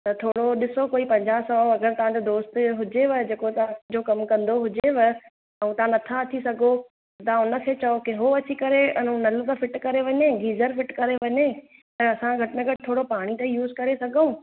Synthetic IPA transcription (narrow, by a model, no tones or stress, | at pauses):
t̪ɐt̪ʰoːɽoɗɪsokoːipɐ̃ɲd͡ʑaːɦsɔɐɡəɾt̪ɐʋ̤ãd͡ʑod̪oːst̪ɦʊd͡ʑeʋɪd͡ʑeːkot̪ɐãd͡ʑoːkɐmkɐ̃nd̪oɦʊd͡ʑeʋɐ | ɛ̃ũt̪ɐɦãnɐt̪ʰat̪ʰisɐɡʱo | t̪ɐãʊnə̆kʰeːt͡ɕɐokeɦoɐt͡ɕikɐɾeɐnũnɐlt̪ɐfɪʈkɐɾeʋɐɲeɡiːzəɾfɪʈkɐɾeʋɐɲe | t̪ɐɐsãɡʱɐʈɪmẽɡʱɐʈɪt̪ʰoːɽopaːɽ̃it̪ɐijuːzkɐɾesɐɡʱõː